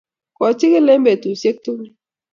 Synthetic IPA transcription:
kɔ˨t͡ʃɪ˦ke˦le˦mbe˨tu˨se˦k̚tu˦

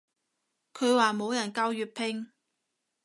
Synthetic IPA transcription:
kʰɵ˨˧waː˨mo˨˧wjɐ˨˩nkaː˧wjyː˨t̚pʰɪ˧ŋ

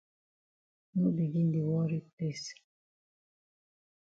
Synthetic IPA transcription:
nu˦bi˨ɡi˦n˦di˨wɔ˦ɾi˦pe˦˨s

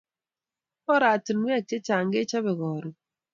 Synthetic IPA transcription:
ɔ˦ɾa˨tɪ˨nwɛ˦˨k̚t͡ʃe˦t͡ʃa˨ŋɡe˦t͡ʃa˦bɪ˨ɣɔ˨ɾɔ˨

